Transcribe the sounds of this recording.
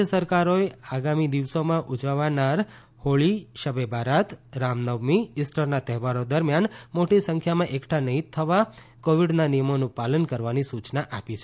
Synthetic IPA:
əsəɾkaɾoeaɡamid̪iʋsomãʔud͡ʒaʋanaɾ | hoɭiʃəbʱebʱaɾat̪ɾamnəʋmiːsʈəɾnat̪ɛɦʋaɾod̪əɾmjanmoʈisə̃ŋkʰjamãʔekʈʰanəɦĩt̪ʰːəʋa | koʋiɖnanijəmonũpalənkəɾʋanisut͡ʃnaʔapit͡ʃʰe

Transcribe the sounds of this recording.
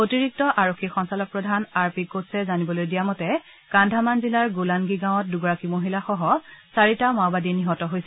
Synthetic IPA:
otiɹik̚tɔʔaɹokʰːixɔnsalɔk̚pɹɔdʱanaɹpikotsɛzanibɔlojdijamɔtɛ | kandʱamanzilaɹɡulanɡiɡãw̃ɔt̚duɡɔɹakimoɦilaxɔɦɔsaɹitamawbadiniɦɔtɔɦojsɛ

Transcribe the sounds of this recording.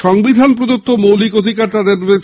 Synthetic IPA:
ʃɔŋbid̪ʱanpɾod͡ʑott̪ʰːomowlikod̪ʱikaɾt̪ad̪eɾe

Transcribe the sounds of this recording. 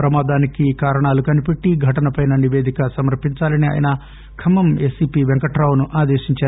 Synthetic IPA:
pɾɐmaːd̪aːnikikaːɾɐɳaːlukɐnipeʈːiɡʱɐʈɐnɐpɐjnɐniʋeːd̪ʱikɐsɐmɐɾpːiɲt͡ʃaːlɐnia̰ːjɐ̰nɐ | kʰɐmɐmeːsiːpiːʋɛŋkɐʈɾaːwunuʔaːd̪eːʃiɲt͡ʃaː

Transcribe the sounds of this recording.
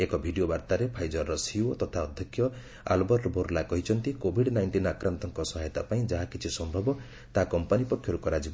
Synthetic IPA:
ekɔbʱiɖiobaɾt̪aɾepʰajd͡ʒɔɾːɔsiot̪ɔt̪ʰaɔd̪ʱjɔkʰːjɔ | a̰lbɔɾbʱoɾlakɔɦit͡ʃʰɔnt̪ikobʱiɽnajɳʈinakɾant̪ɔŋkɔsɔɦajɔt̪apaĩd͡ʒaɦakit͡ʃʰisɔmbʱɔbɔ | t̪akɔmpanipɔkʰjɔɾukɔɾad͡ʒi

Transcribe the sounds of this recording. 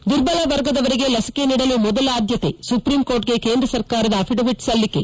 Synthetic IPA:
d̪uɾbɐlɐʋɐɾɡɐd̪ɐʋɐɾiɡe̞lɐsi̥ke̞niːɽɐlumɔd̪ɐlaːd̪ʱjɐt̪e̞supɾiːmkoːɾʈ̚ɡe̞keːnd̪ɾɐsɐɾkaːɾɐd̪ɐːpʰiɖoʋiʈsɐlːike̞

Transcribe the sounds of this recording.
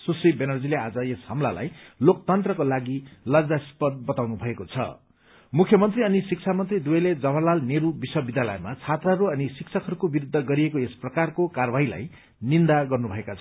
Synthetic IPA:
susribenʌrd͡zilead͡zʌeshʌmla̰la̰jlokt̪ʌnt̪rʌkolaɡilʌd͡zaspʌd̪̚bʌt̪awnubʱʌekot͡sʰʌ̰ | mukʰjʌmʌnt̪riʌnisik̚t͡sʰamʌnt̪rid̪uʌled͡zʌbʱʌrlalneɾubiswʌbid̪jalʌjemat͡sʰat̪raɦʌɾuʌnisiksʰʌkɦʌɾukobiɾud̪ʱːʌɡʌɾiekoesprʌkarkokarbʱaɦila̰j | nind̪aɡʌrnubʱʌekat͡sʰ

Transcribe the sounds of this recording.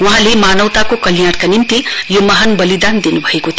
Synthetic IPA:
uɦãlemanʌwt̪akokʌljaɽkanimt̪ijomʌɦanbʌlid̪and̪inubʱʌekot̪ʰ

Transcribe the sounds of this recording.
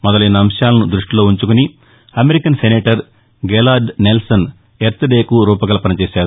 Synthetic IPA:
mɔd̪ɐlɐjnɐɐmʂjaːlɐnud̪ɾuʂʈilo̞ːuɲt͡ʃukuni | ɐmeɾikɐnseneːʈɐɾ | ɡelaːɖnelsɐn | eɾt̪ʰɐd̪eːkuɾuːpɐɡɐlɐpɐnɐt͡ʃeːsaːɾu

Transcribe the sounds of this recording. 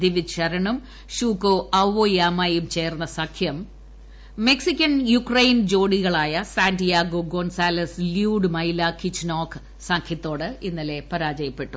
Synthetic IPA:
d̪iʋiɕɐɾɐɳum | ɕuːkːoʔɐʋojaːmaːjumt͡ɕe̞ːrnːɐsɐkʰjɐmː | e̞ksikʲːɐnjukrɐjnd͡ʑo̞ːɽiɣɐɭaːjɐsaːndijaːɡoɡonsaːlɐsljuːɖɨmɐjlɐkit͡ɕnoːkʰ | sɐkʰjɐt̪ːo̞ːɽɨinːɐle̞pɐɾaːd͡ʑɐjɐpːe̞ʈːu

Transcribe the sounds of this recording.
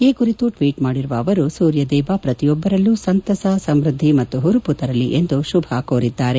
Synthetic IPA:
eːkuɾit̪uʈʋiːʈmaːɽiɾuʋɐːʋɐɾusuːɾjɐd̪ɛːbɐpɾɐt̪ijɔbːɐɾɐlːusɐnt̪ɐsɐsɐmɾud̪ʱːimɐt̪ːuɦuɾuput̪ɐɾɐlːiʔe̞nd̪uʃubʱɐkoːɾid̪ːaːɾe̞

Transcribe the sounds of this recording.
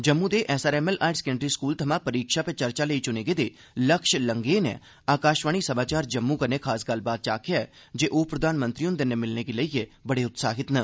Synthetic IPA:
d͡ʒəmːũːd̪eːʔɛːsaːɾɛːmɛlʔaːɪɖsɛ̥kəɳɖɾiːskuːlt̪ʰəmãːpəɾiːkʃaːpet͡ʃəɾt͡ʃaːləiːt͡ʃʊneːɡeːd̪eː | ləkʃləŋɡeːnɛ̰̃ː | aːkaːʃʋaːɳiːsəmaːt͡ʃaːɾd͡ʒəmːuːkəneːkʰaːsɡəlbaːt̪̚t͡ʃa̰ːkʰɪjaɛː | d͡ʒeːʔoːpɾəd̪aːnmənt̪ɾiːʊnd̪enemɪlneːɡeləiebəɽeːʊt̪saːɦɪt̪nə

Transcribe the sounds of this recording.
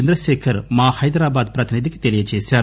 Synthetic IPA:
end̪ɾɐʃeːkʰɐɾmaːhɐjd̪ɾaːbaːd̪pɾɐt̪inid̪ʱiki̥t̪elijɐt͡ʃeːsaːɾ

